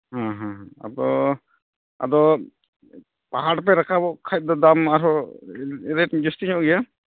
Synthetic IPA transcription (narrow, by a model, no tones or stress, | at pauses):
hãɦãɦãa̰d̪ɔ | a̰d̪ɔ | paɦaɽpɛɾakʰabɔʔkʰac̚ˀd̪ɔd̪amaɾɔ | ɛɾɛʈd͡ʒɔst̪iɲɔʔɡɛja